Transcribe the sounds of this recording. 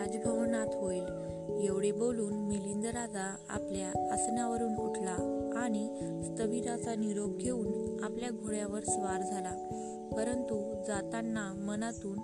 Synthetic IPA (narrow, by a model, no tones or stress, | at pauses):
ad͡zɡʱəʋnat̪ʰʋojl | jeʋɽeboluːnmilind̪əɾad͡za | a̰pljaəsnjaʋəɾuːnuʈʰlaːɽ̃i | st̪əʋiɾat͡saniɾob̚ɡʱeuːnapljaɡʱoɭjaʋəɾsʋaɾd͡zʱala | pəɾənt̪u | d͡zat̪anːa | mənat̪uːn